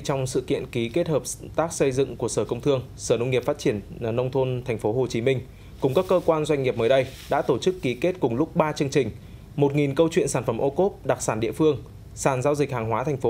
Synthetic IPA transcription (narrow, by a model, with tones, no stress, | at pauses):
t͡ɕwŋ͡msɨ̰˧˨kḭ˧˨ənki˨˦ke˦˥t̚həː˨˩p̚t̪aː˦˥k̚sə˧jzɨ̰˧˨ŋku˧˩əsəː˧˩kə˧wŋ͡mt̪ʰɨ˧əŋsəː˧˩nə˧wŋ͡mŋi˩p̚faː˦˥t̚t͡ɕi˧˩ənnə˧wŋ͡mt̪ʰo˧nt̪ʰa˨˩ŋ̟fo˨˦ɦo˨˩t͡ɕi˨˦mï˧ŋ̟ | kʊ˨˩ŋ͡mkaː˦˥kːəː˧kwaː˧nzwa˧jŋ̟ŋi˨˩əp̚məː˨˦jɗə˧jɗa̰ː˧˥t̪o˧˩t͡ɕɨ˦˥kːi˨˦ke˦˥t̚kʊ˨˩ŋ͡mlʊ˦˥k͡p̚ɓaː˧t͡ɕɨ˧əŋt͡ɕï˨˩ŋ̟ | mo˨˩t̚ŋi˨˩nkə˧wt͡ɕwḭ˧˨ənsaː˧˩nfə˧˩mʔo˧ko˦˥p̚ɗa˨˩k̚saː˧˩nɗḭ˧˨əfɨ˧əŋ | saː˧˩nzaː˧wzï˨˩k̚haː˨˩ŋɦwaː˨˦t̪ʰa˨˩jŋ̟fo˨˦